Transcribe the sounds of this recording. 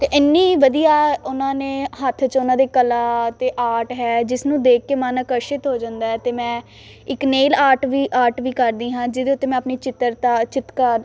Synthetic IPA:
t̪eːʔɪnːiːʋəd̪ijaːʊnãːneːɦət̪ʰːt͡ʃʊnãːd̪eːkəlaːt̪eːʔaːʈɦɛːd͡ʒɪsnũːd̪eːkːeːmaːnəkəɾʃɪt̪ɦoːd͡ʒãːnd̪aːɛːt̪eːmɛ̃ː | ɪkneːlaːʈʋiːʔaːʈʋiːkəɾd̪iːɦãːd͡ʒɪd̪eːʊt̪ːeːmɛ̃ːəpniːt͡ʃɪt̪əɾt̪aːt͡ʃɪt̪kəɾ

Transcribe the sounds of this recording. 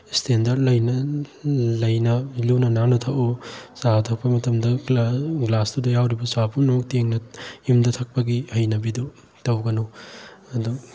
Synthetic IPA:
stʰendɐɾlɐjnɐ | lɐjnɐliwnɐnanɐtʰɐʔusatʰɐk̚pɐmɐtʰɐmdɐɡlastudɐjawɾibɐsapʰunɐmɐk̚teŋnɐjumdɐtʰɐk̚pɐɡihɐjnɐbidu | tɐwɡɐnuɐdu

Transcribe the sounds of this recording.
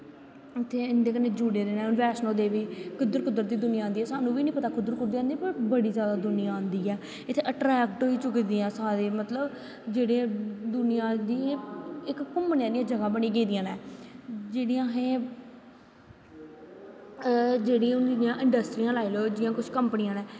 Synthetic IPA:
ɪt̪ʰːeːɪnd̪eːkəneːd͡ʒuːɽeːɾeːnɛ̃ːʊnʋɛːʃnoːd̪eːʋiːkʊd̪əɾkʊd̪əɾd̪iːd̪ʊnɪjaːãːnd̪iːɛːsaːnũːʋiːnĩːpət̪aːkʊd̪əɾkʊɾd̪iːãːnd̪ipəɾbəɽiːzjaːd̪aːd̪ʊnɪjãːãːnd̪iːɛː | ɪt̪ʰːeːʔəʈɾɛːkʈoːiːt͡ʃʊkːd̪iãːsaːɾeːmət̪ləb | d͡ʒeːɽeːd̪ʊnɪjãːd̪iːɪkːʊmːənãːd̪ɪãːd͡ʒəɡãːbənĩːɡeːd̪ijãːnɛːd͡ʒeːɽiãːɦẽː | d͡ʒeːɽiːʊnd̪ijãːʔɪ̃ɳɖəsʈɾiːãːlaːiːloːd͡ʒɪjãːkʊt͡ʃʰkəmpənɪjãːnɛː

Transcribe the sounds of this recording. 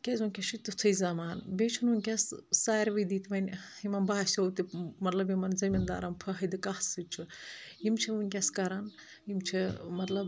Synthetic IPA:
kʲezunʲkʲɐʃit̪ɨt̪ʰɨjzɐmaːnbʲet͡ʃʰununʲkʲɐssaːjɾʋɐd̪iːt̪ʰʋɐnʲimɐnbaːsʲowt̪imɐt̪lɐbjimɐnzɐmʲind̪a̰ːɾɐmpʰɐɦɐd̪ɨkɐhsɨt͡ʃʰuimt͡ʃʰiʋunʲkʲɐskɐɾɐn | jimt͡ʃʰimɐt̪lɐb

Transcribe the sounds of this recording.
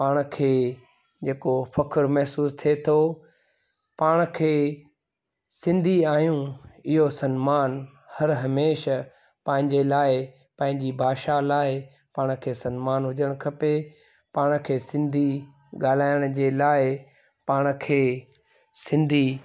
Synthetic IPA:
paːɽ̃̆kʰeː | d͡ʑeːkofɐkʰəɾmɛɦsuːst̪ʰiet̪ʰo | paːɽ̃ə̆kʰeː | sɪ̃nd̪ʱiaːjũɪɦosɐnmaːn | hɐɾɦɐmeːʃ | pɐ̃ɦɪ̃ɲd͡ʑelaːɪ | pɐ̃ɦɪ̃ɲd͡ʑibʱaːʃalaːɪ | paːɽ̃kʰeːsɐnmaːnɦʊd͡ʑəɽ̃kʰɐpe | paːɽ̃̆kʰeːsɪ̃nd̪ʱi | ɠaːl̤aːɪəɽ̃d͡ʑeːlaːɪ | paːɽ̃əkʰeː | sɪ̃nd̪ʱi

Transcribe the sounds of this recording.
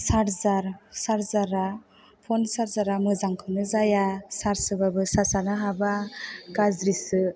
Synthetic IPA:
saɾzaɾsaɾzaɾa | pʰɔnsaɾzaɾamɯzaŋkʰɯnɯzajasaɾsɯbabɯsasanɯɦabaɡazɾisɯ

